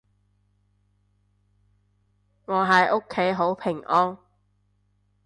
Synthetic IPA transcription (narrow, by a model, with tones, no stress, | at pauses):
ŋɔː˨˧ɦɐ˨jʔo˥kʰːe˨˥jɦo˨˥wpʰɪ˨˩ŋʔɔː˥n